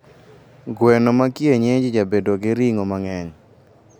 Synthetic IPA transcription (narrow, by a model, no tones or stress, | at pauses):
ɡwɛnomakjeɲed͡ʒid͡ʒabedoɡɪɾiŋomaŋɛɲ